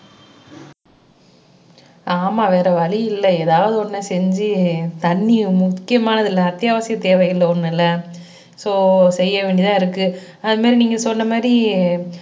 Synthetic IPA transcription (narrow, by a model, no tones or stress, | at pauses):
aːmaːʋeːɾɐʋɐɭɪɪlːɐeːðaːʋɐðɯɔnːɐsɛɲd͡ʒɯt̪ɐɳːimʊkːɪjɐmaːnɐðɪlːɐɐt̪ːjaːʋɐsɪjɐt̪ːeːʋɐjɪlːɐɔnːɪlːɐ | soːsɛjːɐʋeːɳɖit̪ãːɪɾɯkːɯ | ɐðɯmaːɾiniːŋɡɐsɔnːɐmaːɾi